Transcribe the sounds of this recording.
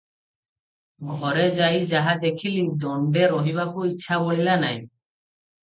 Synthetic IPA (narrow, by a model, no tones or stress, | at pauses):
ɡʱɔɾed͡ʒajd͡ʒaɦad̪ekʰilid̪ɔɳɖeɾoɦiβakuitːʃʰaboɭilanaj